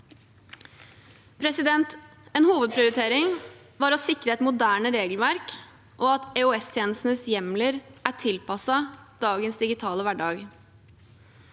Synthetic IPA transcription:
pʰɾɛsɪd̪ɛnt̪ | eːnhuːʋəd̪̚pʰɾɪʊɾɪt̪ʰeːɾɪŋ | ʋɑːɾɔsɪkɾəɛt̪mʊd̪æːɳəɾeːɡlʋæɾk | ʔɔɑt̪ɛʊɛst̪ʰjeːnəst̪n̩əsjɛmləɾʔæʈʰɪlpɑsɑd̪̥ɑːɡənsd̪ɪɡɪt̪ʰɑːləʋæɖɑːɡ

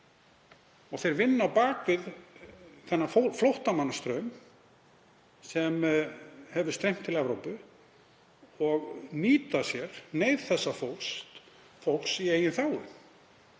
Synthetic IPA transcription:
ɔɣθejɾvɪnːawpaːkvɪð | θɛnːafflowht̪amanːast̪ɾœːɥm | sɛm | hɛvʏ̥st̪ɾejm̥t̪ʰːɪlɛvɾowpʏ | ɔɣniːt̪asjɛɾ̥neːjðθɛsːafowlkst̪ | fow̪ksieːjɪnθaːwʏ

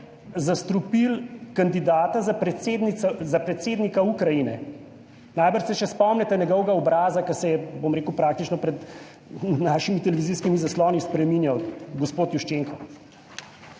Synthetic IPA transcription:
zast̪ɾupilkand̪id̪aːt̪azapɾɛed̪niɛzapɾɛt̪seːd̪nikaukɾajinɛ | najbəɾʃsɛʃɛspɔmnɛt̪ɛnɛɡɔwɡaɔbɾaːzakɐsɛjɛbomɾeːkəwpɾaːk̚t̪it͡ʃnɔpɾɛd̪ | naːʃimit̪ɛlɛʋiziskimizaslɔːnispɾɛmiːnjawɡɔspoːt̪juʃt͡ʃeŋkɔ

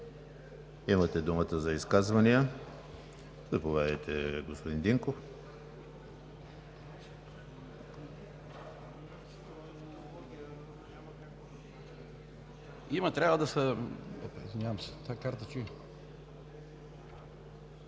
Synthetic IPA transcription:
imət̪ɛd̪umət̪əzɐiskazvɐnijə | zɐpovʲad̪ɛjt̪ɛɡospod̪ind̪iŋkof | mka | imɐt̪ɾʲabvəd̪ɐsəo̰pḭzvinʲjavɐmsɛ̥t̪akaɾt̪ət͡ʃui

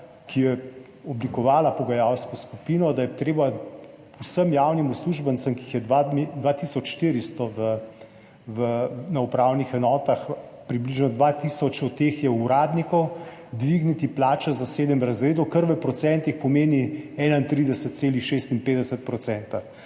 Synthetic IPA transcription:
kijɛ | ɔblikɔʋaːlapɔɡajawskɔskupiːnɔd̪ajɛt̪ɾeːba | usəmjaːwnimusluʒbənt̪səmkixjɛd̪ʋad̪ʋat̪iːsɔt͡ʃʃt̪iːɾist̪ɔʋə | ʋənaupɾawnixɛnɔːt̪ax | pɾibliʒnɔd̪ʋat̪isɔt͡ʃɔt̪ːeːxjɛuɾaːd̪nikɔw | d̪ʋiɡnit̪iplaːt͡ʃazaseːd̪əmɾazɾeːd̪ɔkaɾʋəpɾɔt̪sɛnt̪ixpɔmeːniɛːnaint̪ɾid̪ɛsət̪̚tseːlixʃeːst̪inpeːd̪ɛsət̪̚pɾɔt̪sɛnt̪a

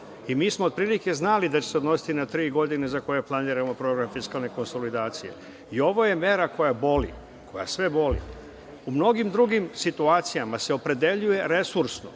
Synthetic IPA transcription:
imiːsmoːd̪̚pɾiːlike̞znalid̪at͡ɕesed̪no̞si̥t̪inat̪ɾiːɡo̞d̪inezako̞je̞plˠaniːɾamo̞pɾo̞ɡɾamfiskalˠne̞ko̞nso̞lid̪aːt̪sije̞̰ | io̞ʋo̞je̞me̞ːɾako̞jabo̞lḭ | kʰo̞ja̰sʋe̞bo̞lḭ | umno̞ɡimd̪ɾuɡimsit̪uaːt̪sijamase̞o̞pɾe̞d̪e̞ʎuje̞ɾe̞suɾsno̰

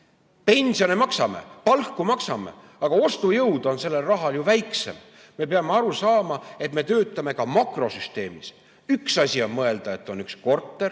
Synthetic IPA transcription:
pe̞nʲsio̞nemɑksɑme̞̰pɑlkːumɑksɑmḛ | ɑɡ̥ɑo̞st̪ujɤwd̪̥o̞nse̞lːe̞lrɑɦɑljuvæjkse̞̰m | me̞peɑmeɑɾusɑːmɑe̞t̪me̞t̪ø̞ːt̪ːˑɑme̞kɑmɑkro̞syst̪e̞̰ːmis | yksɑsʲio̞nmɤe̞ld̪̥ɑe̞t̪ːˑo̞nyksko̞rt̪ːˑe̞r

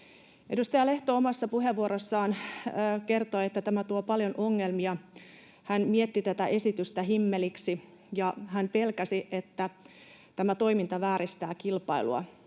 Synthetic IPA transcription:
ʔḛdust̪ejɑleht̪oomɑsːɑpuɦeʋːuoɾosːɑːnːkert̪oiet̪ːæt̪æmæt̪uopɑljonʔoŋːelmiɑ | hænmiet̪ːit̪æt̪æʔe̞sit̪yst̪æɦimːeliksi | jɑhæmpelkæsiʔet̪ːæ | t̪æmæt̪o̞imint̪ɑʋæːɾist̪æːkilpɑilṵɑ̰

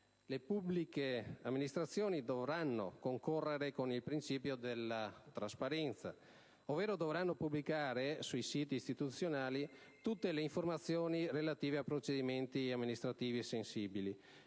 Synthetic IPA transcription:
lepublikeamːinist̪ɾat̪sːjoːnid̪ovɾanːo̰koŋkorːeɾekonilpɾint͡ʃiːpjod̪elːat̪ɾaspaɾɛnt̪sa̰ | ovːeːɾod̪ovɾanːopublikaːɾesujsiːt̪iːst̪it̪ut̪sːjonaːli | t̪ut̪ːeleiɱformat̪sːjoːnirelat̪iːveapːɾot͡ʃed̪iment̪iamːinist̪ɾat̪iːviesensiːbili

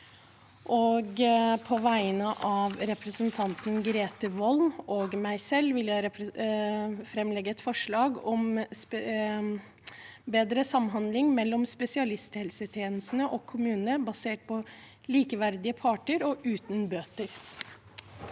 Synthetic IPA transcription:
ʔɔːɡpʰɔʋæɪnəʔɑʋɾɛpɾəsənt̪ʰɑnt̪nɡɾeːt̪əʋɔlmɔːɡmæɪsɛlːʋɪljæɪɾɛ | fɾɛmːlɛɡːəɛt̪fɔʂɭɑːɡɔmsp | beːd̪ɾəsɑmɦɑnd̪lɪŋmɛlːɔmspɛsɪɑlɪst̪hɛlsət̪ʰjeːnəst̪n̩əʔɔkʰːʊmʉːnənəbɑseːʈ̚pʰɔ | liːkəʋæɾd̪ɪəpʰɑːʈəɾɔʔʉːt̪nbøːt̪əɾ

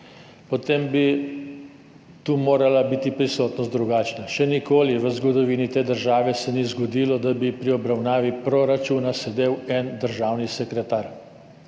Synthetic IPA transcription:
pɔt̪embi | t̪uːmoːɾalabit̪ipɾisoːt̪nɔst̪d̪ɾuɡaːt͡ʃnaʃɛnikoːliʋəzɡɔd̪ɔʋiːnit̪eːd̪əɾʒaːʋɛsɛnizɡɔd̪iːlɔd̪abipɾiɔbɾawnaːʋipɾoɾat͡ʃuːnasɛd̪eːwɛnd̪əɾʒaːwnisɛkɾɛt̪aːɾ

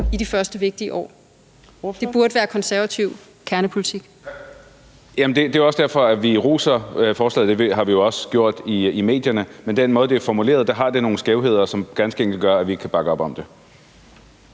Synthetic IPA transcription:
id̥ifɶɐsd̥əʋe̝ɡ̥̚d̥iəʔɒ̰ː | d̥e̝b̥uɐɾ̥əʋæːɐkʰɒ̽nsæɐʋæt͡sʰiʊ̰ | kʰæɐnəpʰolit͡sʰiɡ̥ | jæmnd̥e̝d̥e̝oɒsd̥æɐfɒ̽æʋiʁṵːsɐfɒːslɛ̰ːð̩ˠd̥eʋɦɑ̈ʋijo̝ɒ̽səɡ̥jo̝ɐ̰d̥iime̝̰ːd̥jɐnəmend̥enmɔ̽ːð̞ˠde̝æfɒmule̝̰ːɐðˠd̥æ̈ɦɑ̈d̥e̝no̝ːn̩sɡ̥eʊɦe̝ð̞̰ˠɐsɒ̽mɡ̥ænsɡ̥əeŋ̰ɡ̥l̩ɡ̥ɶɐæʋikʰæb̥ɑ̈ɡ̥əɒ̽b̥ɒ̽md̥e̝

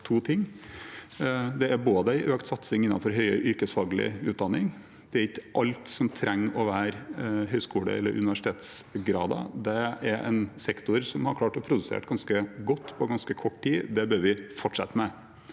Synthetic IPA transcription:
t̪ʰuːt̪ʰɪŋː | d̪ɛæɾboːd̪əæɪʔøːkt̪sɑt̪sɪŋɪnːɑ̰nfɔɾɦœʏəʔʏɾkəsfɑːɡlɪ̰ʉːt̪̚d̪ɑnːɪŋ | d̪̥ɛæɾɪkːəʔɑlt̪sɔmt̪ʰɾʔɛŋːɔʋæːɾɦœʏskuːlə̰ɛ̰lːə̰ɾʔʉ̰nɪʋæʂɪ̥t̪eːt̪sɡɾɑːd̪ɑ̰d̪ɛæɾɛ̰nsɛkt̪ʊɾsɔmhɑɾkʰlɑːʈɔpʰɾʊd̪ʉsḛːʈɡɑnskəɡɔt̪ːpʰɔɡɑnskəkʰɔʈːtiːd̪ɛbøːɾʋɪfɔʈʂɛ̰t̪ːəmɛ

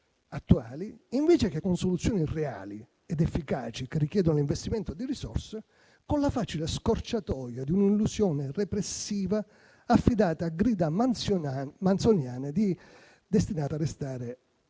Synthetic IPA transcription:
at̪ːuaːliiɱviːt͡ʃekekːʊnsolut̪sːjɔːnirea̰ːli | ɛd̪ɛfːika̰ːt͡ʃikerːik̟jɛːd̪ʊnoliɱvest̪imɛnt̪ʊd̪irisɔ̰rse | konlafaːt͡ʃilɪskort͡ʃat̪ɔːjad̪iuninlusjɔːnɪrɛpɾesːiːvaː | fːid̪aːt̪aːɡɾiːd̪a | mant̪sonjaːnɪd̪i | d̪est̪inaːt̪arːest̪aːɾe

